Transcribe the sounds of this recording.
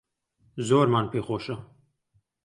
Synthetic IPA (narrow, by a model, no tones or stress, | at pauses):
zoːɾmaːnpʰeːxoːʃɐ